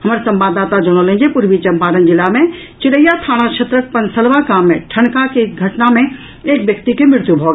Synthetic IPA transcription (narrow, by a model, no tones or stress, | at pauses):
ɦɐmːɾesə̃mbaːd̪ːaːt̪ad͡ʒoñolẽd͡ʒepuɾʋit͡ʃəmpaːɾənd͡ʒɪlːamẽ | t͡ʃɪɾəjːat̪ʰaːɽ̃akʃʰɐt̪ɾək̚pənsəlʋakaːmːẽʈʰəɳkakeɡʱɐʈnamẽ | eːkʋjəkt̪ikemɾɪɾt̪jubʱoːɡ